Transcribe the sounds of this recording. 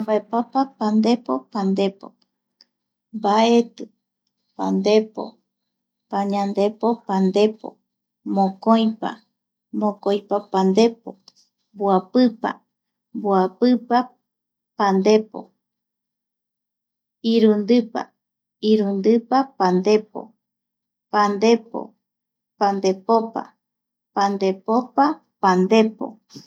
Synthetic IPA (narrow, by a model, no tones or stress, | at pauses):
baepapapand̪e̞po̞pand̪e̞po̰ | mbaet̪ɨ | pa̰nd̪e̞po̰ | paɲãnd̪e̞po̞pãnd̪e̞po̰ | mõkojpa̰ | mõkojpapãnd̪e̞po | mboapɨpa̰ | mboapɨpa | pand̪e̞po̰ | iɾund̪ɨpa̰ | iɾund̪ɨpapand̪e̞po̰ | pand̪epo̰ | pand̪e̞popa̰ | pand̪e̞popa | pand̪e̞po̰